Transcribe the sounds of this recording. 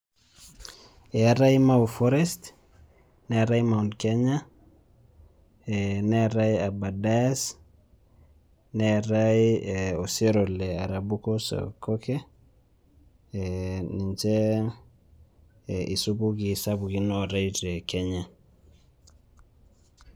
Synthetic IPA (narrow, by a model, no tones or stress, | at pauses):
eaɾaimaufɔɾɛst | nɛaɾaimaunkeɲa | enɛaɾaiabadas | neaɾaioseɾoleaɾabukoso̰koke | niɲt͡ʃe | ʔisubukisabukinoɾaiɾekeɲa